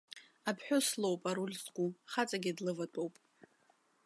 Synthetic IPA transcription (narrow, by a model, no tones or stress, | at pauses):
apʰħʷᶣoslo̞wpʼaɾulzɡʷʼuχat͡sʼaɡʲidlɨvatʷʼowpʼ